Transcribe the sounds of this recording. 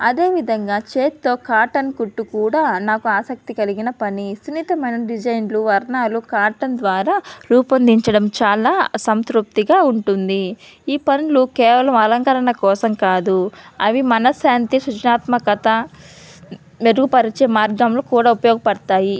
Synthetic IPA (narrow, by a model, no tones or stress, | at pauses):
ɐd̪e̞ːʋid̪ʱɐŋɡaːt͡ʃeːt̪t̪o̞ːkaːʈɐnkuʈːukuːɽaːnaːkuaːsɐk̚t̪ikɐliɡinɐpɐnisunit̪ɐmɐjnɐɖid͡ʒɐjnluʋɐɾnaːlukaːʈɐnd̪ʋaːɾaːɾuːpɐnd̪iɲt͡ʃɐɽɐmt͡ʃaːlaːsɐmskɾup̚t̪iɡaːuɳʈund̪i | iːpɐnilukɛːʋɐlɐmɐlɐŋkɐɾɐɳɐkɔːsɐmkaːd̪uɐʋimɐnɐsjaːnt̪isut͡ʃɐnaːt̪mɐkɐt̪ɐ | meɾuɡupɐɾit͡ʃeːmaːɾkːɐmlukuːɽaːupɐjɔːɡɐpɐɽɐt̪aːji